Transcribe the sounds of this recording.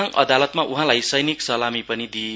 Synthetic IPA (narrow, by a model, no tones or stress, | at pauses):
ŋʌ̰d̪alʌt̪maʔuɦãlajsʌjniksʌlamipʌnid̪i